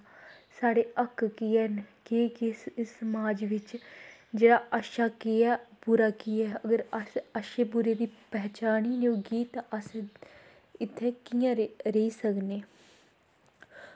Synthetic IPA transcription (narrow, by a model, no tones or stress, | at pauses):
saːɽeːʔəkʰːkɪɛːnkeːkessəmaːd͡ʒʋɪt͡ʃd͡ʒeːɽaːʔəʃaːkɪɛːpuɾaːkiɛːəɡəɾsəʃeːbʊɾeːd̪iːpɛːt͡ʃaːniːnõːɡiːt̪ːʔəs | ɪt̪ʰːeːkijãːɾeiːsəkneː